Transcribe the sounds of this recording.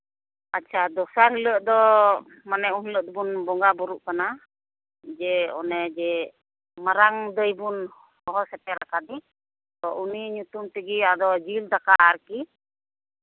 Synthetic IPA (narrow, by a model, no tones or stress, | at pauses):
atːt͡ʃʰad̪ɔsaɾɦiləʔd̪ɔ | manɛunɦiləʔd̪ɔbunbɔŋɡabɔɾuʔkana | d͡ʒɛɔ̰nɛd͡ʒɛ | maɾaŋd̪əjbun | hɔɦɔsɛpɛɾakad̪i | t̪ɔʔuniɲut̪umt̪ɛɡiad̪ɔd͡ʒild̪akaːɾki